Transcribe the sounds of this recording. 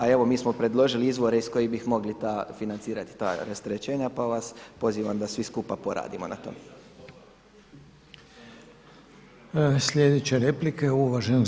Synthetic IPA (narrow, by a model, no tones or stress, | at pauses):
ae̞ʋo̞miːsmo̞pɾe̞d̪lo̞ʒiliizʋo̞ɾe̞isko̞jibixmo̞ɡlit̪aːfinant̪siːɾat̪i̥t̪a̰ːɾast̪ɾet͡ɕe̞ːɲapaʋaspo̞ziːʋamd̪asʋiskupapoɾa̰ːd̪imo̞̰na̰t̪o̞̰me | sʎʲed̪et͡ɕeɾeplikeuʋaʒeno